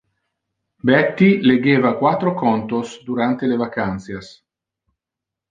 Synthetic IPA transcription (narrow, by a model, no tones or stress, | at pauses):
bɛt̪ːileɡeːvakwat̪ːɾokɔnt̪osd̪uɾant̪elevakant̪sjas